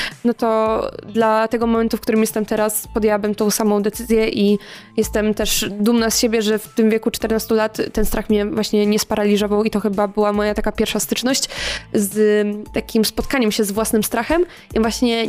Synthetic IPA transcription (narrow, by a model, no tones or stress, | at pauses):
nɔt̪ɔd̪lat̪ɛɡɔmɔmɛnt̪ufkt̪uɾɘmjɛst̪ɛmt̪ɛɾaspɔd̪ʲjɛwabɘmt̪ɔ̃w̃samɔ̃w̃d̪ɛt̪sɘzʲjɛʔi | jɛst̪ɛmt̪ɛʂd̪umnasɕebʲjɛʐɛft̪ɘmvʲjɛkut͡ʂt̪ɛɾnast̪ulat̪ːɛnst̪ɾaxmʲɲɛvwaɕɲɛɲɛspaɾalʲizɔvawit̪ɔxɘbabɘwamɔjat̪akapʲjɛɾfʂast̪ɘt͡ʂnɔɕt͡ɕzt̪akʲimspɔt̪̚kaɲɛmɕɛzvwasnɘmst̪ɾaxɛm | ʔivwaɕɲɛ